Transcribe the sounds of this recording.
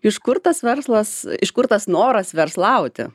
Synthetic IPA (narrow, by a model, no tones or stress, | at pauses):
ɪʃkʊrt̪ɐsʋʲɛrslˠɐsɪʃkʊrt̪ɐsnoːɾɐsʋʲɛrslˠɐʊt̪ʲɪ̰